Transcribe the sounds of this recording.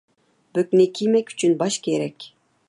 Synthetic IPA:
bɵ̆knekʲʰimækʲy̥t͡ʃʰynbɑʃkʲeɾɛkʲ

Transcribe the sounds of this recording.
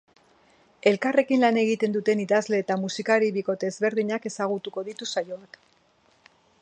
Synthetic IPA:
e̞lkare̞kinlane̞ɣit̪e̞nd̪ut̪e̞niðazle̞ːt̪amusikaɾiβiko̞t̪e̞ːzβe̞ɾðiɲake̞saɣ̞ut̪uko̞ðit̪usajo̞ak

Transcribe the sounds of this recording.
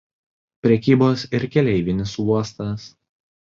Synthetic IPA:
pʲɾʲɛkʲiːboːsɪɾkʲɛlʲɛɪʋʲɪnʲɪsuɔst̪ɐs

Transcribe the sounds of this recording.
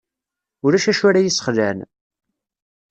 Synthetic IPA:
ʊɾæʃæʃʊɾajisə̥χlæn

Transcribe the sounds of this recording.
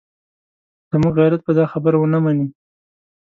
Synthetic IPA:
z̥əmuɡɣajɾat̪̚pəd̪ɑxabəɾwənamani

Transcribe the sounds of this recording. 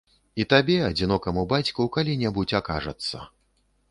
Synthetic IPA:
it̪abʲɛɐd͡zʲinɔkɐmubat͡sʲkukalʲinʲɛbut͡sʲaka̰ʐɐ̰t̪sːɐ̰

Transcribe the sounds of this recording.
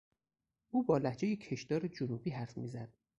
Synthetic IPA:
ʔuːbɒːlæhd͡ʒejecʰe̞ʃd̪̥ɒːɾed͡ʒonuːbiːɦæɾfmiːzæd̪̥̚

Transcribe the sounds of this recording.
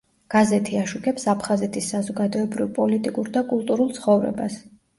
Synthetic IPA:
ɡ̥azɛt̪ʰiaʃukʰɛpsapʰχazɛt̪ʰisːazɔɡad̪ɔɛbɾivpʼɔlit̪ʼikʼuɾd̪akʼulˠt̪ʼuɾulˠt̪sʰχɔvɾɛ̰ba̰s

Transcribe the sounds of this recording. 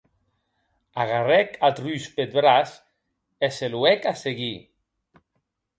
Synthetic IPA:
aɣarɛkat̪ryspet̪̚bɾas | eseluɛkaseɣi

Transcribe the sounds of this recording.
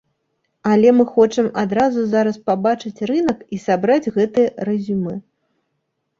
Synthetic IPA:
alʲɛmɨxɔt͡ʂɨmad̪ɾazuzaɾɐspabat͡ʂɨt͡sʲrɨnɐkisabɾad͡zʲɣɛt̪ɨjɐrɛzʲumɨ

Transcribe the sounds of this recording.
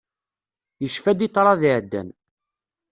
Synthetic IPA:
jəʃfæd̪it̪ˤːɾˤɑðiʕd̪ːæ̰n

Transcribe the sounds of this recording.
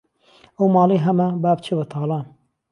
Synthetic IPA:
ɐwmɑːlˠeːɦɐmɐbaːbt͡ʃʰebɐt̪ʰɑːlˠɑːn

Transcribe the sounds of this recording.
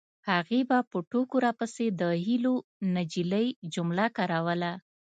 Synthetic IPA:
haɣebapəʈokoɾapəsed̪əhilonad͡ʒiləjd͡ʒʊmlakaɾawəla

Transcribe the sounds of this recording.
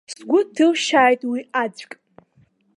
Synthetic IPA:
sɡʷʊtʰɨlʃaːjtʼwiad͡ʒʷkʲʼ

